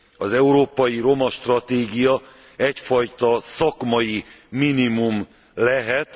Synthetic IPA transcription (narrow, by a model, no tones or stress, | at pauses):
ɒzɛuɾoːpɒjiɾo̞mɒʃt̪rɒt̪eːɡijɒ | ɛcfɒjt̪ɒsɒkmɒjiminimum | lɛɦɛt̪